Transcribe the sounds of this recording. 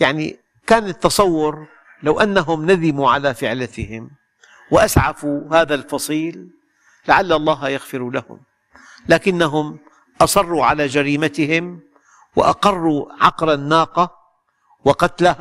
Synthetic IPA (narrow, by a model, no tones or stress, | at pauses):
jaʕnḭ | kaːnɪt̪ːɑsˤɑwːʊɾ | lawʔanːaɦʊmnaðɪmuʕalafɪʕlat̪ɪhɪm | wɪʔasʕafuhaːðalfɑsˤiːlː | aʕalːɑlˤːɑːɦjɑɣfɪɾulahʊ̰m | laːkɪnːaɦʊm | ʔɑsˤɑrˤːuʕalaːd͡ʒaɾiːmat̪ɪhɪm | wɪ̰ʔɑ̰qɑrˤːuʕɑqɾanːaːqɑ | wɪqɑt̪lah